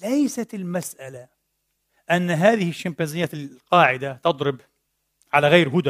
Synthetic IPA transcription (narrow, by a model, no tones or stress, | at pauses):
lajsat̪ɪlmasʔala | ʔanːaɦaːðɪhɪʃːampaːnzɪjːaːɪqɑːʕɪd̪at̪ɑd̪ˤɾɨb | ʕalaɣaːɾɦʊd̪